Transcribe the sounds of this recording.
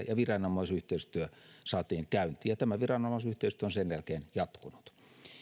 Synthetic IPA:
jɑʋirɑnɑmːˑɑˑisyht̪eˑist̪yøsɑːt̪iːŋkæynt̪ˑiːjɑt̪æmæʋirɑnɑmːˑɑˑisyht̪eist̪yøonsenjælkeːnjɑt̪kunu̥t̪

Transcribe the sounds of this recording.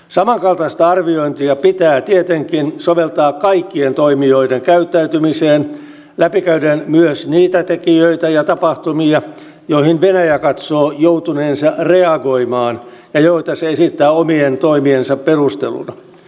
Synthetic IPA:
sɑmɑŋkɑlt̪ɑst̪ɑɑrʋioint̪iɑpit̪æːt̪iet̪eŋkinsoʋelt̪ɑːkkɑikːient̪oimioideŋkæyt̪ːæyt̪ymiseːn | læpikæydenmyøsniːt̪æt̪ekiøit̪æjɑt̪ɑpɑht̪umiɑ | joihinʋenæjækɑt̪soːjout̪uneːnsɑreɑɡo̞imɑːnjɑjoit̪ɑseesit̪ːæːomient̪oimiensɑpperust̪ḛlṵnɑ

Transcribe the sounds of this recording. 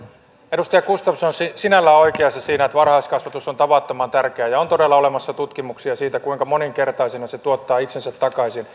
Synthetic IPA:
edust̪ɑjɑkust̪ɑfsonsisinælːæːo̞jkeɑsːɑsiːnæet̪ʋɑrhɑːskɑsʋɑt̪usont̪ɑʋɑˑt̪ːomɑnt̪ærkeæjɑont̪o̞delːɑole̞mɑsːɑt̪ut̪kimuksiɑsiːt̪ækuiŋkɑmoniŋke̞rt̪ɑisinɑset̪uot̪ːɑːit̪sensæt̪ːɑkɑisin

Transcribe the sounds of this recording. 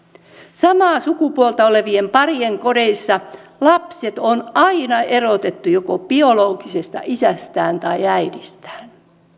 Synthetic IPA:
sɑmɑːsukupuolt̪ɑoleʋiempɑrieŋkodeisːɑlɑpset̪onɑinɑʔerot̪et̪ːujokopio̞loːɡisest̪ɑ̰ʔisæst̪æːnt̪ɑiæidist̪æ̥ːn

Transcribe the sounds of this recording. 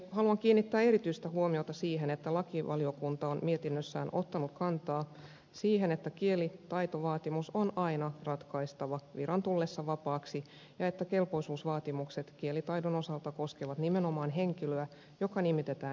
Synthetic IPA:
hɑluɑŋkiːnːit̪ːæːe̞ɾit̪yist̪æhuomiot̪ɑsiːɦenet̪ːælɑkiʋɑliokunt̪ɑonmiet̪inːøsːæ̰ːnʔo̞t̪ːɑnukkɑnt̪ɑː | siːhenet̪ːækielit̪ɑit̪oʋɑːt̪imusonɑinɑrɑt̪kɑist̪ɑʋɑʋiɾɑnt̪ulːesːɑʋɑpɑːksi | jɑet̪ːæke̞lpo̞isuːsʋɑːt̪imukset̪kielit̪ɑidono̞sɑlt̪ɑko̞skeʋɑt̪nimenomɑːnɦeŋkiløæ | jokɑnimit̪et̪æːn

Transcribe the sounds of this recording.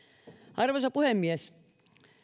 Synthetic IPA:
ʔɑrʋosɑpuhemːiæs

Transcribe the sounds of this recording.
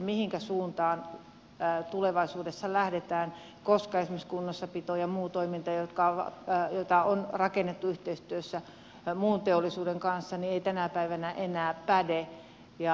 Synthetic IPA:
mihiŋkæsuːnt̪ɑːn | t̪uleʋɑisuːdesːɑlæhdet̪æːn | koskɑesmiskunːosːɑpit̪oːjɑmuːt̪oimint̪ɑjot̪kɑɑ̰jot̪ɑonrɑkenːet̪ːuyht̪eist̪yøsːæ | muːnt̪eolːˑisuːdeŋkɑnsːɑnieit̪ænæpæiʋænæʔenæːpæde | jɑ

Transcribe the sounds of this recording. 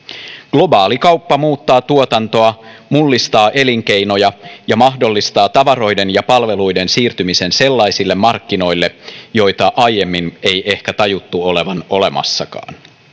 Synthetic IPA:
ɡ̥lo̞bɑːlikɑwpːɑmuːt̪ːɑːt̪uot̪ɑnt̪o̞ɑmulːist̪ɑːʔe̞liŋk̟e̞jno̞jɑjɑmɑhdo̞lːist̪ɑːt̪ɑʋɑɾo̞jde̞njɑpɑlʋe̞lujde̞nsiːrt̪ymise̞nse̞lːɑjsilːe̞mːɑrkːino̞jlːe̞jo̞jt̪ɑʔɑjje̞mːine̞jʔe̞hkæt̪ɑjut̪ːuo̞le̞ʋɑno̞le̞mɑ̰sːɑkɑ̰ːn

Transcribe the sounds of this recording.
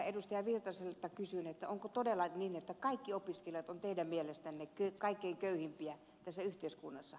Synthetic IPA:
edust̪ɑjɑʋirt̪ɑselt̪ːɑkysynet̪ːæoŋkot̪odelːˑɑninet̪ːækɑikːiopiskeljɑt̪ont̪eidæmmielest̪ænːekøkɑikːeiŋkøyhimpiæ | t̪æsːæyht̪eiskunːɑsːɑ

